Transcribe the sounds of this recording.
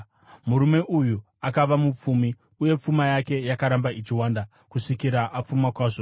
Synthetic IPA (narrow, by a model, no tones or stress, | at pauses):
muɾume̞ʔuju | akaʋamup͡fumi | uje̞p͡fumajake̞jakaɾambait͡ʃiwaːnda | kuʂikiɾaʔap͡fumakwaʐo